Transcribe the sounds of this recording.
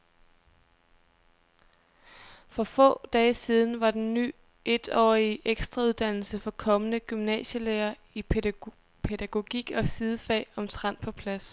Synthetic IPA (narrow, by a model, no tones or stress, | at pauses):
fɒ̽fɔ̰̽ːd̥ɛːsiːð̞ˠn̩ʋɑ̈d̥enːy̰ː | e̝d̥ɒ̰ːiʔeɡ̥sd̥ʁɑuðˠd̥æn̰l̩səfɒ̽kʰɒ̽mənəɡ̥ymnɛ̰ːɕəleːɐ | i | pʰe̝d̥æɡ̥o̝ɡ̥iɡ̥ɒ̽sið̞ˠəfɛ̰ːɒ̽mt͡sʰʁɑn̰pʰɒ̽pʰlæs